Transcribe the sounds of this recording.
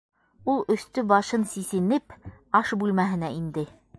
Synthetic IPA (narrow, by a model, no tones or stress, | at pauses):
ulˠɵ̆st̪ɵbɑʃɤnsisɘ̆nɘpɑʃbʉlmæɦɘ̆næind̪ɘ